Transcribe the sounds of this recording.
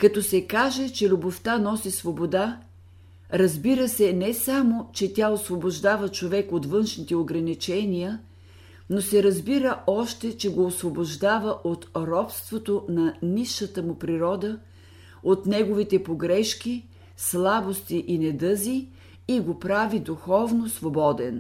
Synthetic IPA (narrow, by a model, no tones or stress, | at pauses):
kɐt̪ɔsɛkaʒɛt͡ʃɛlʲuboft̪anɔsisvobod̪a | ɾɐzbiɾəsɛnɛsamot͡ʃɛt̪ʲaosvoboʒd̪avət͡ʃovɛkot̪vɤnʃnit̪ɛoɡɾɐnit͡ʃɛnijə | nosɛɾəzbiɾəɔʃt̪ɛt͡ʃɛɡoːsvoboʒd̪avəʔot̪ɾɔpst̪vot̪onɐniʃət̪əmʊpɾiɾɔd̪ə | ot̪nɛɡovit̪ɛpoɡɾɛʃki | slˠabost̪iʔinɛd̪ɤzi | iɡopɾavid̪uxɔvnosvobɔd̪ɛn